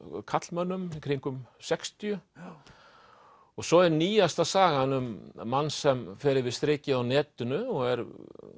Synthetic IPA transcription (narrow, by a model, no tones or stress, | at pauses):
kʰat̪lmœnːʏmikʰɾiŋkʏmsɛkst̪ijʏ | ɔɣsɔɛɾniːjast̪asaːɣaɪnʏmːanːsɛmfɛːɾɪɾvɪst̪ɾɪːcɪawnɛːt̪ʏnʏɔɣɛɾ